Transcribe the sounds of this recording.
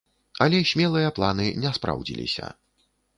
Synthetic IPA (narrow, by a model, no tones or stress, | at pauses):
ɐlʲɛsʲmʲɛlˠɨjɐplˠanɨnʲɛspɾa̰wd͡zʲilʲḭsʲɐ̰